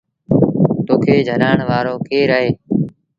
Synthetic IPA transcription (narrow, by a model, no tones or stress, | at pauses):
t̪oːkʰeːd͡ʒʱənaːɳʋaːɾoːkeːɾəɦeː